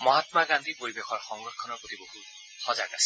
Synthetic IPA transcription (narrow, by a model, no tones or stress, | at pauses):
mɔɦat̪maɡand̪ʱipoɹibexʰɔɹxɔŋɡɹɔtʰːɔnɔɹpɹot̪iboɦut | xɔzakasɛ